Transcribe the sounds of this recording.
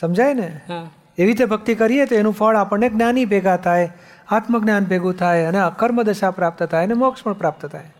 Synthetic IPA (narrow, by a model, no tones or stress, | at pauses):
səmd͡ʒajne | eʋit̪̬ebʱək̚t̪ikəɾiet̪oenũfʰəɭapəɳneɡnanibʱeɡat̪ʰaj | at̪məɡnjanbʱeɡũt̪ʰajəneəkəɾməd̪əʃapɾap̚t̪t̪ʰajnemokʃməɳpɾap̚t̪t̪ʰaj